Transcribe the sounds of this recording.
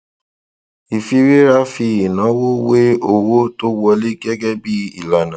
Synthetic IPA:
i˨fi˧ɾe˦ɾa˦fi˧i˨nã˨˦wo˦we˦o˨wo˦to˦wɔ˧le˦ɡɛ˦ɡɛ˦bi˦i˦˨la˨nã˨

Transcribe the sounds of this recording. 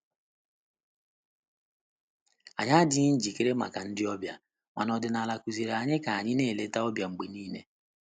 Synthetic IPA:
a̰˨ɲa˦dɪ˦n̩˦d͡ʒi˨ke˦ɾe˦ma̰˨ka˨n̩˦dɪ˦ɔ˦bja˨ | ma̰˨nɔ˨dɪ˨na˨la˨ku˨zi˨ɾa˨ɲɪ˦ka˨a˨ɲɪ˦ne˦˨le˦ta˦ɔ˦bja˨ŋ͡m̩˨ɡ͡be˨niː˦nḛ˨

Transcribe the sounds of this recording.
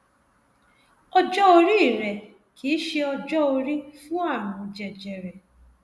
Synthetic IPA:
ɔ˧d͡ʒɔ˦o˧ɾi˦i˦˨ɾɛ˨ | kʰi˨˦ʃe˧ɔ˧d͡ʒɔ˦o˧ɾi˦fũ˦a˦˨wʊ̃˨˧˨d͡ʒɛ˨d͡ʒɛ˨ɾɛ˨

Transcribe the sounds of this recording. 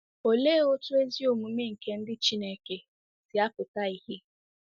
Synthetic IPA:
o˨le˦o˦tʊ˦e˦zi˦o˨mu˨me˦ŋ̩˨ke˨n̩˦dɪ˦t͡ʃi˦ne˦˨ke˨ | sɪ˨a˦pʊ˨ta˦i˦hi˦

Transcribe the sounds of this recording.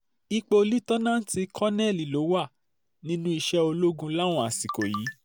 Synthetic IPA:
i˧k͡po˧li˦tɔ˦nã˦n̩˦ti˧kʰɔ˦nɛ̃˦˨li˨lo˨˦wa˦˨ | nĩ˦nũ˦i˧ʃɛ˦o˧lo˦ɡũ˧la˦˨w̃ɔ̃˦a˨si˨ko˨ji˨˦

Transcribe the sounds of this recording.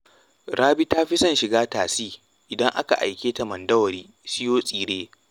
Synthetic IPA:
ɽaː˦bi˦ta˦ɸɪ˦sɐ˦˨nʃɪ˨ɡaː˦taː˨siː˦ | ʔɪ˨dɐ˦ŋʔa̰˦ka̰˨ʔa̰˨jkʲeː˦ta˨mɐ˨ndɐ˦wɐ˨ɾiː˦ | sɪ˦joː˦sʼiː˨ɽeː˦

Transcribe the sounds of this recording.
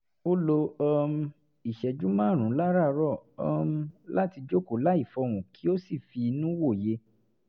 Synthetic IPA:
o˦lo˧ɔ˧m̩˧ | i˨ʃɛ˨d͡ʒu˨˦mã˦˨ɾ̃ũ˨˦la˦ɾa˦˨ɾɔ˦˨ɔ˧m˧˦la˦ti˧d͡ʒo˦ko˨˦la˦i˦˨fɔ˧ɾ̃ũ˨kʰi˦o˦si˦˨fi˧nũ˦wo˦˨je˧˦

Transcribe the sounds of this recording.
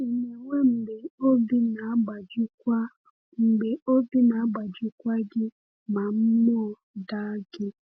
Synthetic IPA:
i˨me˨ŋʷe˦m̩˨be˨o˦bi˦na˨˦ɡ͡ba˨d͡ʒka˦ | m̩˨be˨ʔo˦bi˦na˨a˦ɡ͡ba˨d͡ʒʊ˦kʷa˦ɡɪ˦ | ma˨m̩˦mɔ˦˨ | da˦ɡɪ˦

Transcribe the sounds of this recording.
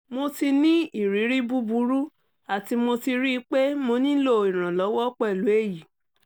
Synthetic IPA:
mo˧ti˧nĩ˦i˦˨ɾi˨˦ɾi˦bu˦bu˧˦ɾu˦ | a˨ti˧mo˧ti˧ɾi˦˧˦k͡pe˦mo˧nĩ˦lo˦˨ĩ˨ɾ̃ã˨lɔ˨˦wɔ˦k͡pɔ˦˨lu˨˦e˦˨ji˨

